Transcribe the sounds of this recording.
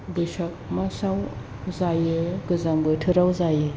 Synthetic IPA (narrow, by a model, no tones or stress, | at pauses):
bɯsak̚masaw | zajɯɡɯzaŋbɯtʰɯɾawzajɯ